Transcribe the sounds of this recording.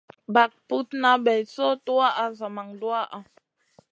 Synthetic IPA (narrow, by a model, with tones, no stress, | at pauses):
ba˨k̚pu˦tna˨˦bɛ˨sɔ˦tu˦a˦ʔa˨za˨ma˨ŋdwa˦ʔa˨